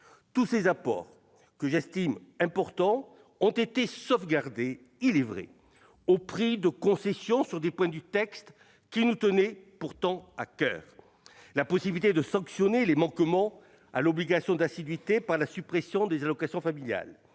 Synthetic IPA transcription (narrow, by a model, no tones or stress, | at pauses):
t̪usezapɔ̰ʁ | kəʒɛst̪imɛ̃pɔʁt̪ɑ̃ | ɔ̃t̪et̪esɔfɡaʁd̪e | ilɛvʁɛ̰ | opχid̪əkɔ̃sɛsjɔ̃syʁd̪epwɛ̃d̪yt̪ɛkst̪ | kʲinut̪ənɛpuʁt̪ɑ̃akœ̰ːʁ | lapɔsibilit̪ed̪əsɑ̃ksjɔnelemɑ̃kmɑ̃ | a̰lɔbliɡasjɔ̃d̪asid̪ɥit̪epaʁlasypχesjɔ̃d̪ezalɔkasjɔ̃familja̰l